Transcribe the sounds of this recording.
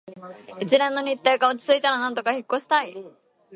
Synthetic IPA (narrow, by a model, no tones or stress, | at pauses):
it͡ɕiɾẽ̞nːo̞ɲ̟ʲit̪ːe̞ːkaot͡ɕi̥t͡sɨit̪aɾanãnt̪o̞kaçikːo̞ɕi̥t̪ai